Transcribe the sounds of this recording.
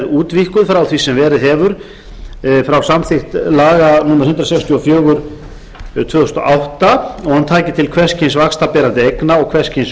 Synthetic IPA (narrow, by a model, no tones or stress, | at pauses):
uːt̪vihkʏðfɾawθisɛmvɛːɾɪðɦɛvʏɾ̥ | fɾawsamθɪxt̪laːɣanuːmaɾ̥hʏnt̪ɾasɛkst̪ʰjuɔfjœːɣʏɾ̥ | t̪ʰvœːθɔ̥st̪ɔ̰ʔawht̪aɔɣhant̪ʰaːcɪt̪ʰɪlkʰvɛ̥scʰinsvakst̪apɛːɾant̪ɪejknaɔɣkʰvɛr̥scʰins